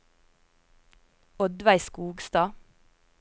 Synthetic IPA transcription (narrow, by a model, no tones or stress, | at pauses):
ɔd̪ʋæɪskuːɡst̪ɑː